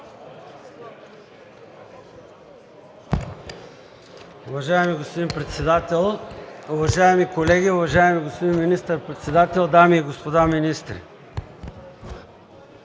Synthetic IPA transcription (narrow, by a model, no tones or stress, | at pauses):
ʊvɐʒaɛmiɡospod̪inpɾɛt̪sɛd̪at̪ɛlˠʊvɐʒaɛmikolɛɡʲiʊvɐʒaɛmiɡospod̪inminist̪əɾpɾɛt̪sɛd̪at̪ɛlˠd̪amiːɡospod̪aminist̪ɾḭ